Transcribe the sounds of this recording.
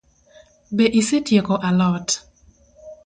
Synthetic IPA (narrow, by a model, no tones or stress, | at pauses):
beʔisetjekoʔalɔt